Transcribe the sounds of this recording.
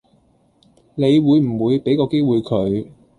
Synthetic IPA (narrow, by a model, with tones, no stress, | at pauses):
ne˨˧jwuː˨˧jm̩˨˩wuː˨˧jpe˨˥jkɔː˧ke˥jwuː˨˧jkʰɵ˨˧ɥ